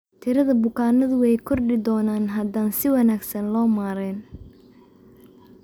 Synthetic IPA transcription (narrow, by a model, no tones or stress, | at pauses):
t̪ʰɪɾɐðɐbʊkʰaːnɐðʊwɛjkʰɔrɖɪd̪ɔːnaːnɦɐd̪aːnsɪwɐnaːɡsɐnlɔːmaːɾɛːn